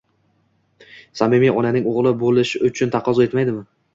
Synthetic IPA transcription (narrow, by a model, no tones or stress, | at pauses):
samɪmijɒnanɪŋoʁlˠɪbolɪʃɪʊt͡ʃʰʊnt̪ʰɑqʰɒzɒe̞t̪majd̪ɪmɪ